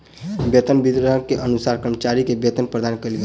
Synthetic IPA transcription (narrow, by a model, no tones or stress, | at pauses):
bet̪ənbid̪ɾəɦənkeʔənusaɾkɾəɾmət͡ʃaɾikebjet̪ənpɾəd̪ankəjlɡel